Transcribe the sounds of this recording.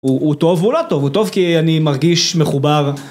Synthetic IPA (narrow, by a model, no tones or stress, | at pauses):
uːt̪o̞vulot̪o̞vut̪o̞vkianimaʁɡiʃmeχubaʁ